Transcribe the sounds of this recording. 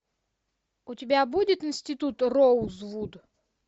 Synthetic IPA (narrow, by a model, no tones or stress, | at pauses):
ʊtʲɪbʲabudʲɪt̪ɪnsʲtʲɪt̪ut̪rozvud̪